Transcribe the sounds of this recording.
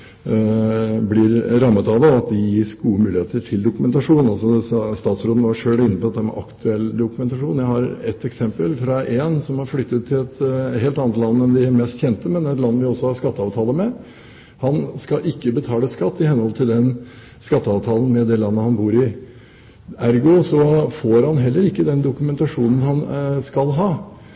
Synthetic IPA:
blɪɾɾɑmːət̪ɑʋd̪ɑɑt̪̚d̪ɪjiːsɡuːəmʉːlɪheːt̪əʈʰɪld̪ʊkʉmɛnt̪ɑʂuːnnɑlsɔsst̪ɑːt̪sɾoːd̪n̩ʋɑʂøːlɪnːəpɔɑt̪d̪ɛmɑ̰ɾʔɑ̰kt̪ʰʉɛlːd̪ʊkʉmɛnt̪ɑʂuːnjæɪhɑɾɛt̪ɛksɛmpəlfɾɑʔeːnsɔmhɑɾflʏt̪ːət̪ʰːɪlɛt̪heːlt̪ɑnət̪lɑnːəɛnd̪ɪæɾmɛst̪çɛnt̪əmɛnɛɛt̪lɑnːəʋɪɔsːɔhɑɾskɑt̪ːəɑːʋt̪ʰɑːləmɛ | hɑnskɑʔɪkːəbət̪ʰɑːləskɑt̪ːɪhɛnhɔlt̪ʰɪld̪ɛn | skɑt̪ːəɑːʋt̪ʰɑːlən̩mɛd̪ɛlɑnːəhɑnbuːɾɪ | æɾɡʊsɔfoːɾhɑnɦɛlːəɾɪkːəd̪ɛnd̪ʊkʉmɛnt̪ɑʂuːnən̩hɑnskɑlɦɑː

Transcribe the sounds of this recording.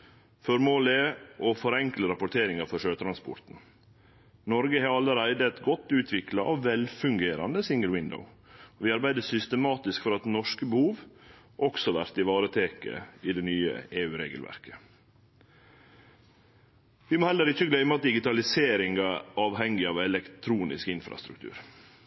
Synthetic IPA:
fɔɾmoːlɪʔɔfɔɾɛŋkləɾɑpʊʈ̪ʰeːɾɪŋɑfɔʂøːt̪ʰɾɑnspɔ̰ɾt̪n̩ | nɔɾɡəhɑɑlːəɾæɪd̪əɛt̪ɡɔt̪ːʉːt̪ʰʋɪklɑʔɑ̰ʋʋɛlfʉŋɡeːɾɑ̰nd̪əsɪŋɡəlwɪnd̪ə̰ʊ | ɔʋɪɑɾbæɪd̪əsʏst̪əmɑːt̪ɪskfɔɾɑt̪nɔʂkəbəhuːʋ | ʔɔksɔʋæɾt̪ɪʋɑːɾət̪ʰeːkə̰ɪd̪ɛnyːə̰eːʉːɾḛːɡəlʋæ̰ɾkə̥ | ʋɪmoːhɛlːəɾɪçːəɡlœʏmɑt̪̚d̪ɪɡɪt̪ɑlɪseːɾɪŋɡɑɑːʋhɛŋɪɑːʋɛlɛkt̪ʰɾuːnɪ̰skɪnfɾɑ̰st̪ɾʉ̰k̚t̪ʰʉ̰ːɾ

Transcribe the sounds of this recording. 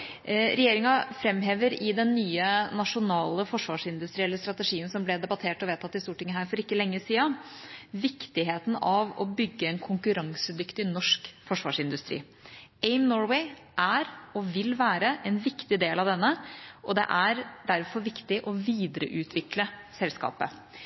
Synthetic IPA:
ɾɛjeːɾɪŋɑfɾɛmɦeːʋəɾɪd̪ɛnːyːənɑʂʊnɑːləfɔʂʋɑːʂɪnd̪ʉst̪ɾiːɛlːəɾst̪ɾɑt̪əʂiːənsɔmblɛd̪ɛbɑt̪ʰeːʈɔʋeːt̪ʰɑt̪ːɪst̪uːʈʰɪŋːəɦæːɾfɔɾɪkːəlɛŋːəsiːɑ | ʋɪkt̪ɪɦeːt̪n̩ɑʋɔ̰bʏɡːəɛnkʰʊŋkʉɾɑŋsəd̪ʏkt̪ɪnɔʂkfɔʂʋɑ̰ːʂɪnd̪ʉst̪ɾḭː | ɛɪmnɔɹwɛɪ | ʔæɾɔʋɪlʋæːɾəʔɛnʋɪkt̪ɪd̪eːlɑʋd̪ɛnːəʔɔd̪ɛ̰ʔæɾɖ̪æɾfɔɾʋɪkt̪ɪʔɔʋiːd̪əɾə̰ʔʉːt̪ʰʋɪkləsɛlskɑ̰ːpə̰

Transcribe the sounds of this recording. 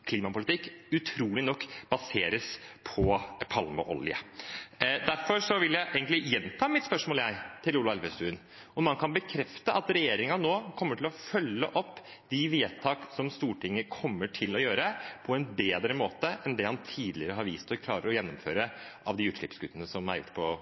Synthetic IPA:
kʰliːmɑpʊlɪt̪ʰɪkːʉt̪ʰɾuːlɪnɔkːb̥ɑseːɾəspʰɔpʰɑlmɑ̰ʔɔ̰ljə̰ | d̪æɾfɔɾʂɔʋɪljæɪʔeːɡənt̪lɪjɛnt̪ʰɑːmɪt̪spœʂmoːljæɪt̪ʰɪluːlɑɛlʋəst̪ʉːn | ɔmɑnkʰɑnbəkʰɾɛft̪əʔɑt̪ɾɛjeːɾɪŋɑnoːkʰɔmːəʈʰɪlɔfœlːə̰ʔɔpː | d̪ɪʋeːt̪ʰɑːksɔmst̪uːʈʰɪŋːəkʰɔmːəʈʰɪlɔjøːɾəpʰɔɛnbeːd̪ɾəmoːt̪əʔɛnd̪ɛhɑnt̪ʰiːd̪lɪəɾəɦɑɾʋiːst̪ʰɔkʰlɑːɾəɾɔjɛnːɔmføːɾəʔɑʋd̪ɪʉːt̪ʂɭɪ̰psɡʉt̪ːənəsɔmæ̰ɾjʊ̰ʈːpʰɔ

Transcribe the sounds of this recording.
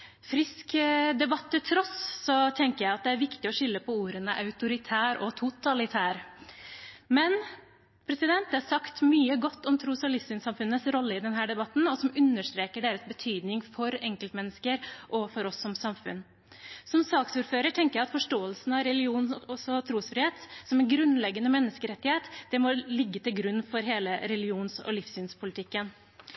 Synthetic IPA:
fɾɪskd̪ɛbɑt̪ʰːɪlt̪ʰɾɔsːɔt̪ʰɛŋkəjæɪɑt̪̚d̪ɛæɾʋɪkt̪ɪɔʂʏlːəpʰɔuːɾənəʔɑʉt̪ʊɾɪt̪ʰæːɾɔt̪ʰʊt̪ɑlɪt̪ʰæːɾ | mɛn | pʰɾɛsɪd̪ɛnt̪̚d̪ɛhɑɾsɑkt̪myːəɡɔt̪ːɔmt̪ʰɾʊsɑlɪsɪnsɑmfʉnːəsɾɔlːəɪd̪ɛnɦæːɖɛbɑt̪ːn̩ɔsɔmʉnːəʂt̪ɾeːkəɖeːɾəsbət̪ʰyːd̪nɪŋfɔɾɛŋkəlt̪mɛnːəskəɾʔɔfɔɾɔsːɔmsɑmfʉ̰n | sɔmsɑːksuːɾføːɾəʈʰɛŋkəjæɪɑt̪fɔʂʈoːəlsn̩ɑɾɛlɪuːnɔsɔt̪ʰɾuːsfɾɪheːt̪sɔmɛnɡɾʉnlɛɡːənəmɛnːəskəɾɛt̪ːɪheːt̪d̪̥ɛmɔlɪɡːət̪ɪlɡɾʉnːfɔɾɦeːləɾɛlɪuːnsɔ̰lɪfsyːnspʰʊlɪt̪ʰɪkːən

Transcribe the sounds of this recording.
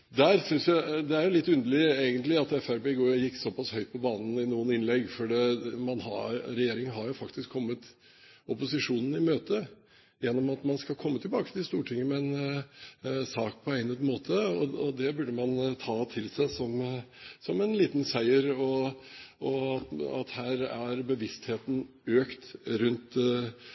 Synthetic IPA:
d̪æɾsʏnsjæɪd̪ɛæɾjʊlɪt̪ːʉnd̪əɭɪeɪɡənt̪lɪɑt̪ɛfæɾbeːɡojɪkːsɔpɑshœʏt̪̚pʰɔbɑːnn̩ɪnuːənɪnlɛɡːfɔɖɛmɑnhɑ̰ɾɛjeːɾɪŋəɦɑɾjʊfɑkt̪ɪskʰːɔmːət̪ | ɔpʊsɪʂuːnn̩ɪmøːt̪ə | jɛnːɔmɑt̪mɑnskɑlkʰɔmːət̪ʰɪlbɑːkə̥t̪ɪst̪uːʈʰɪŋːəmɛɛɛn | sɑːk̚pʰɔæɪnəd̪moːt̪ʰəɔɔd̪ɛbʉɖəmɑnt̪ʰɑːt̪ʰɪlsæɪsɔmsɔmɛnliːt̪nsæɪəɾɔʔɔɑt̪ɑ̰t̪hæːɾæɾbəʋɪst̪heːt̪n̩ | øːkt̪ɾʉnt̪

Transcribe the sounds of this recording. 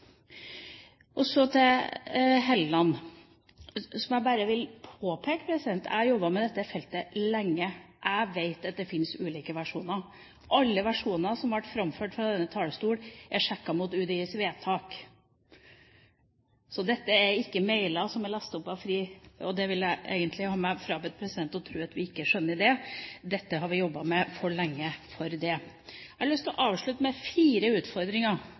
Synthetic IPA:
ʔɔsɔt̪ʰɛ | ɦɛllɑn | sɔmjæɪbæɾəʋɪlpʰoːpʰeːkə̥pʰɾɛsɪd̪ɛnt̪ʰæ̰jɔbːɑmɛd̪ɛt̪ːəfɛlt̪əlɛŋːə | ʔæɪʋeɪt̪ɑt̪̚d̪ɛfɪnsʉːliːkəʋæʂuːnə | ɑlːəʋæʂuːnəsɔmʋɑʈːfɾɑmføːʈfɾɑd̪ɛnːət̪ʰɑːləst̪uːɽʔɛʂɛkːɑmʊt̪ʉːd̪iəsʋeːt̪ʰɑːk | sɔd̪ɛt̪ːəæɪkːəmeɪlɑsɔmɛlɑst̪ʊpːɑʋfɾiːɔd̪ɛʋɪljæɪʔḛːɡənt̪ʰlɪhɑːmɛfɾɑːbɛt̪̚pʰɾɛsɪd̪ɛnt̪ɔt̪ʰɾʉːɑt̪ʋɪɪkːəʂœnːəɖɛd̪ɛt̪ːəɦɑɾʋɪjɔbːɑmɛfɔɭɛŋːəfɔɾd̪ɛ | lʏst̪ɪlʔɑːʋʂɭʉt̪əmɛfiːɾəʉːt̪fɔɾd̪ɾɪŋɑ

